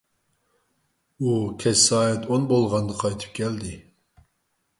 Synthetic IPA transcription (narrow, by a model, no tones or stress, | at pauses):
ukʲʰɛssɑːɛt̪ʰonbolˠʁɑnd̪əqʰɑjt̪ʰɨ̥p̚kʲʰɛld̪ɪ